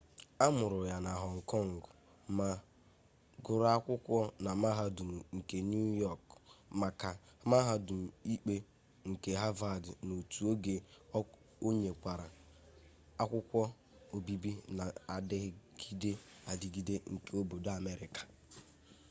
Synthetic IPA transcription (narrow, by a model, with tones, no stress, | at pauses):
a˦mʊ˨ɾʊ˨ja˨na˨ɦɔ˨ŋ̩˨kɔ˦˨ŋ̩˨ɡʊ˨˦ | ma˦ | ɡʊ˦ɾa˦kʷʊ˦kʷɔ˦na˨ma˦ɦa˦du˨m̩˨ŋ̩˨ke˨n˦u˦jɔ˦˨kma˨ka˨ma˦ɦa˦du˨m̩˨i˦k͡pe˦ | ŋ̩˨ke˨ɦa˦va˨dɪ˨no˨tu˨˦o˦ɡe˦ | o˦ɲe˨kʷa˨ɾa˨ | a˦kʷʊ˦kʷɔ˦ | o˨bi˦bi˦na˨a˨dɪ˦ɣɪ˦ɡ̥i˦de˦a˨dɪ˨ɡi˦de˦ŋ̩˨ke˦o˦bo˨da˨me˦ɾɪ˨kḁ˨